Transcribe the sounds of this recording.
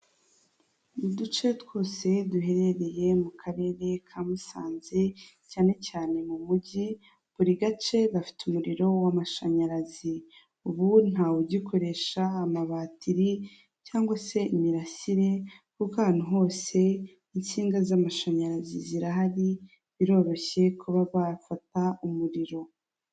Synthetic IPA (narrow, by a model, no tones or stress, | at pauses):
nudut͡ʃe̞two̞ːse̞duɦe̞ɾe̞ɾe̞je̞mukʰaɾe̞ːɾe̞kʰamusaːnze̞ | caːne̞caːne̞mumuɟi | βuɾiɡat͡ʃe̞βafi̥tumuɾiɾo̞wamaʃaɲaɾazi | uβun̥awuɟikʰo̞ɾe̞ʃaːmaβaːtiɾi | caːŋɡwase̞imiɾasiɾe̞kukahaːn̥uɦo̞ːse̞ | int͡siːŋɡazamaʃaɲaɾaziziɾaɦaɾi | βiɾo̞ːɾo̞çe̞kʰuβaβafataumuɾiɾo̞